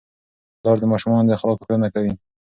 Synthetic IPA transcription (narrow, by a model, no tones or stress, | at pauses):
lɑɾd̪əmɑʃumɑnd̪əaxalɑkofenakawi